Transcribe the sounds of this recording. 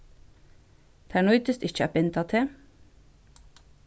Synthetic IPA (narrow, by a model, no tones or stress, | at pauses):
t̪ʰæɳɔʏt̪əst̪ɪçəæ̰ːpɪnt̪ʰɑt̪ʰeː